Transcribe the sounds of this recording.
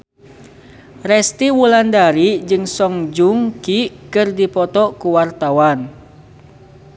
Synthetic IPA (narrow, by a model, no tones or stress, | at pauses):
rɛst̪iwulandaɾid͡ʒɨŋsɔŋd͡ʒuŋkikɨrdipɔt̪ɔkuwart̪awan